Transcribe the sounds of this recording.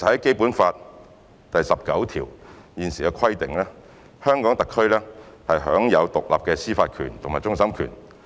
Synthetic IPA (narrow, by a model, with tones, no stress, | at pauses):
hɐ˨˦jke˥jpuː˨˥nfaː˧t̚ | t̪ɐ˨jsɐ˨p̚kɐ˨˥wt̪ʰḭː˨˩w | jiː˨˧nsiː˨˩kɛː˧kʰwɐ˥jt̪ɪ˨ŋlɛː˥ | hœː˥ŋkɔː˨˥ŋt̪ɐ˨kʰːɵ˥ɥlɛː˥hɐ˨jɦœ̰ː˨˥ŋjɐ˨˧wt̪ʊ˨k̚la̰ː˨p̚kɛː˧siː˥faː˧t̚kʰyː˨˩nt̪ʰʊ˨˩maː˨˩t͡sʊ˥ŋsɐ˥mkʰy̰ː˨˩n